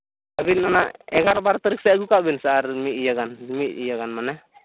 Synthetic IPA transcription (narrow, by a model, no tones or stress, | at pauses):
abinanaʔɛɡaɾbaɾt̪əɾik̚sɛɡukaʔbinsaʔaɾmiijaɡanmit̪̚ijaɡanmanɛ